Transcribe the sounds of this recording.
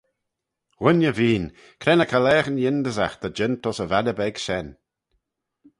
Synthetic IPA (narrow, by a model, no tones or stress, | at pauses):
wɪnjəviːn | kʰɾɛnəkʰəlɛːxənjɪnd̪əzaxd̪̥əd͡ʒɪnt̪ɔsəvaləbɛɡʃɛn